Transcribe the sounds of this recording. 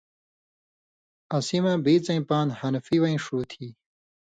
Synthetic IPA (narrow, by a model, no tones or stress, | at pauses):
ɐsimãbiːt͡sɐ̃ĩpaːnhɐnfiwɐĩʂuːt̪ʰiː